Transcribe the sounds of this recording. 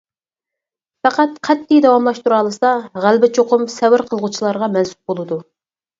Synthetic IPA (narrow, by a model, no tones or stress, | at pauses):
fæqæt̪qʰɛt̪ʰːɪjd̪ɛwɑmlˠɑʃt̪uɾɑlˠɨsɑʁælbɪt͡ʃʰoqʰʊmsɛwɪɾqʰəlˠʁut͡ʃʰilˠɑɾʁɑmɛnsu̥p̚bolˠɨd̪u